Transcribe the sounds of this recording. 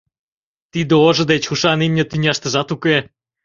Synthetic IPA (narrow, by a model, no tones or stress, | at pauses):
t̪id̪əoʒə̆d̪et͡ɕxuʃɑnimnʲet̪ynʲɑʃt̪ə̆ʒɑt̪uke